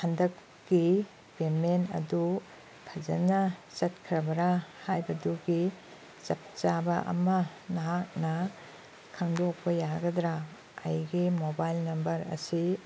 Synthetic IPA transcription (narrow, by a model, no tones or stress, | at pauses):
handɐkː | i | pemenɐ̰du | pʰɐzɐnɐsɐt̚kʰɾɐbɐɾahajbɐduɡi | sɐp̚t͡ʃabɐʔɐ̰mɐ | nɐɦak̚nɐ | kʰaŋdok̚pɐjaɡɐd̪ɾa | ɐjɡimobajlnɐmbɐɾɐ̰si